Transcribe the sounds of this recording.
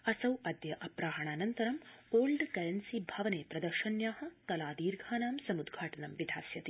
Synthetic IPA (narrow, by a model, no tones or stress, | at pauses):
ɐsɐwɐd̪jɐʔɐpɾaːɦɐɳaːnɐnt̪ɐɾɐmoːlɖkɐɾɐnsibʱɐʋɐneːpɾɐd̪ɐɾʃɐnjaːhɐ̆kɐlaːd̪iːɾɡʱaːnaːmsɐmud̪ɡʱaːʈɐnɐmʋid̪ʱaːsjɐt̪i